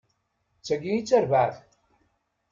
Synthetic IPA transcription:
t͡sːæɡijit͡sːæɾvaʕθ

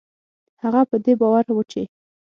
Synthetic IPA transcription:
haɣapəd̪ebɑwaɾwət͡ʃe

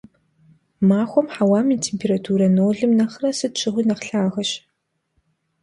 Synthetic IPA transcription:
maːxʷɔmħawaːmiːtʰeːmpʰeːɾatʰuːɾɐnoːɮɨmnɐχrɐsɨtt͡ʃʰɨʁʷiːnɐqɬaːʁɐɕ

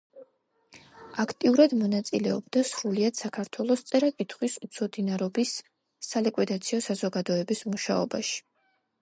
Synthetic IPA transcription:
akʰt̪ʼiuɾad̪mɔnat̪sʼilɛɔbd̪asɾuliad̪̥sakʰaɾt̪ʰwɛlˠɔst̪sʼɛɾakʼit̪ʰχwisut̪sʰɔd̪inaɾɔbisː | alikʼwid̪at̪sʰiɔsazɔɡad̪ɔɛbismuʃaɔ̰baʃi̥

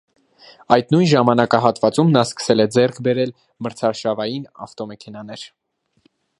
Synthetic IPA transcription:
ɑjt̪nujnʒɑmɑnɑkɑɦɑt̪vɑt͡sumnɑskə̥sɛlɛd͡zɛrkʰbɛɾɛl | məɾt͡sʰɑɾʃɑvɑjinɑ̰ft̪ɔmɛkʰɛnɑnɛɾ

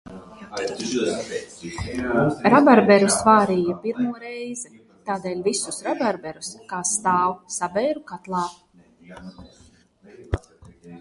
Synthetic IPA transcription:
ɾabaɾbɛɾusvaːɾiːjapiɾmuɔɾɛjzɛ | t̪aːd̪eːlʲvisusɾabaɾbɛɾuskaːst̪aːwsabɛjɾukat̪lˠɑː

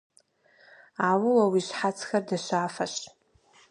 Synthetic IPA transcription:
aːwɨwawiʃħat͡sʰxɐrdaʃʷaːfaɕ

